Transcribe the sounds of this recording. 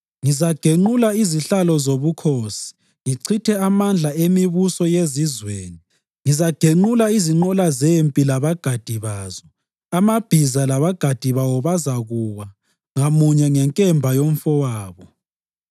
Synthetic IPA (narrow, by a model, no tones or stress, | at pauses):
ŋizaɡ̥ʱeŋ͡ǃulaiziɬalɔzoβukʰoːsi̥ | ŋiǀʰitʰɛamand͡ɮʱaemiβusɔjezizweːni | ŋizaɡ̥ʱeŋ͡ǃulaiziŋ͡ǃɔlazempʼilaβaɡ̥ʱad̥ʱiβaːzɔ | amab̥ʱizalaβaɡ̥ʱad̥ʱiβawɔβazaɣuwa | ŋamuɲɛŋɛŋkʼɛmbʱajom̩fɔwaːβɔ